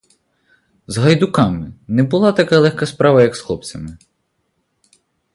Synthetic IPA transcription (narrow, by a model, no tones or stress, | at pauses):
zɦɐjd̪ʊkɑmɪnɛbʊlˠɑt̪ɐkɑlˠɛxkɐspɾɑʋɐjɐksxlˠɔp̚t͡sʲɐmɪ